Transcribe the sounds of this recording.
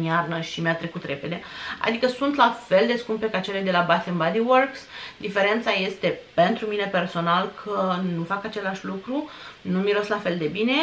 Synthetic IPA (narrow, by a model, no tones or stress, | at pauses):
niarnəʃimjat̪ɾe̞kut̪ɾe̞pe̞d̪e̞a̰d̪ikəsunt̪lafe̞ld̪e̞skumpe̞kat͡ʃeled̪e̞labat̪embad̪iworksd̪ife̞ɾe̞nt̪saje̞st̪e̞pe̞nt̪ɾumine̞pe̞rso̞nalkʰənufakat͡ʃe̞laʃʲlukɾunumiɾoslafe̞ld̪e̞bine̞